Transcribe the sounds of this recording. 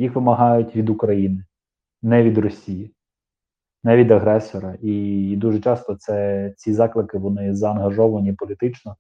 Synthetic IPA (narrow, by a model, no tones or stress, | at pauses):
jixʋɪmɐɦɑjʊtʲʋʲid̪ukɾɐjinɪ | nɛʋʲid̪ɾɔsʲiji | nɛʋʲid̪ɐɦɾɛsɔɾɐʔid̪uʒɛt͡ʃɑst̪ɔt̪sɛt͡sʲizɑklˠɪkɪʋɔnɪzɐːnɦɐʒɔʋɐnʲipɔlʲit̪ɪt͡ʃnɔ